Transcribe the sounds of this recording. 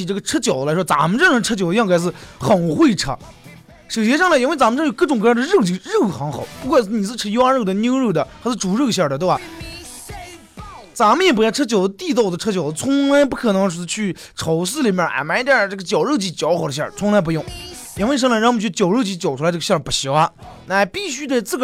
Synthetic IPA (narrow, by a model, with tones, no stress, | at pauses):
ʈ͡ʂɤ˥˩ɡə˩ʈ͡ʂʰɤ˥t͡ɕjʊd̪ə˦lʂwɔ˥t͡sa̰˧˥mə˧ʈ͡ʂn˧˥ʈ͡ʂʰɤ˥t͡ɕjo˨˩ʊ˧jɑ˥˧ŋka˧˩ʂ̬ɹ̩˥˩xə˨˩nxwe˥˩ɪʈ͡ʂʰɤ̰˥ | ʂɤ˨˩ʊɕjɛ˧˥ʂɑ˥˧la˧˥i˧˥nwe˥˩ɪt͡sa˧˥mə˧ʈ͡ʂjkɤ˥˩ʈ͡ʂʊ˨˩ŋkʰɤ˧˥jɑ˥˩də˧ɻɤ˥˩˧t͡ɕi˧˥ɻɤ˥˩xɑ˧˥ŋxɑ˨˩ʊpu˧˥kwa˥˩ʂ̩˥˩ni˨˩ʂ̬̩˥˧ʈ͡ʂʰɤ˥˧i˥wa˥˧ɻɤ˥˩d̪ə˧ni˥ŋɻə˥˩d̪ə˩t̪ʰʂ̩˥˧ʈ͡ʂu˨˥ɻɤ˥˧ɕjɑ˥˩d̪ə˩t̪we˥˩a˨˩ | t͡sa˧˥mə˧jɛ˨˩p̬lʈ͡ʂʰɤ˥t͡ɕjɑ˨˩ʊə˥t̪i˥˧t̪ɑ˥˩ʊd̪ə˩ʈ͡ʂʰɤ˥t͡ɕjɑ˨˩ʊə˧t͡sʰʊ˧˥ŋla˧˥ɪpu˥˩kʰɤ˨˩nɤ˧˥ŋʂ̬ɻ̩˧˥˧t͡ɕʰy˥˩ | ʈ͡ʂʰo˧˥ʊs̬ɹ̩˥˧li˨˩mjə˥˩ʔa̰˧˩ɪma˧˥i˧t̪jə˥˧˩ʈ͡ʂɤ˥˩ɡə˩t͡ɕjɑ˨˩ʊɻɤ˥˧t͡ɕi˥t͡ɕjɑ˧˥ʊxɑ˨˩ʊd̪ə˧ɕjɑ̰˥˩t͡sʰʊ˧˥ŋla˧˥ɪp̬u˧˥jʊ˥˩ŋ | i˧˥nwɪʂ̬ɑ˥˧ŋla˧˥ɻm˩t͡ɕʰy˥˩t͡ɕjɑ˨˩ʊɻɤ˥˧t͡ɕi˧˥˩t͡ɕjo˨˩ʊʈ͡ʂʰu˧˥˧ʈ͡ʂə˧ɕjɑ˥˩pu˧˩ɕo˧˥a˧ | na˥˩˧pi˥˩ɕy˥t̪a˥˧ɪt͡sɹ̩˥˩ɡ